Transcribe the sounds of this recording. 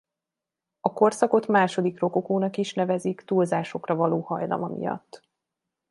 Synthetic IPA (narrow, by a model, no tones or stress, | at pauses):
ɒko̞rsɒko̞t̪maːʃo̞d̪ikro̞kokoːnɒkiʃnɛvɛzikt̪ulzaːʃo̞krɒvɒloːhɒjlɒ̰mɒmḭjɒ̰t̪ː